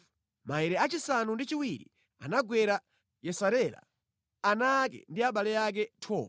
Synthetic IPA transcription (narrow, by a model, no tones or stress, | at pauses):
maɛɾɛat͡ʃisanundit͡ʃiwiɾḭ | a̰naɡwɛɾa | jɛsaɾɛɾa̰ | anakɛ̰ndiaɓalɛjak̬ɛtʰɔːa